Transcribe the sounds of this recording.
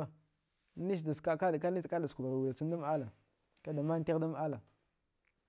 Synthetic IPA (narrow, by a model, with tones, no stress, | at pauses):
ni˦ʃ̬da˨ska˦ka˦˨ka˦ni˦ka˦da˨sku˨ba˨ɾa˨wu˨la˨si˦n˦da˦m˦a˦la˨ | ka˦da˨ma˦n˦te˦ɣda˦m˦a˦la˨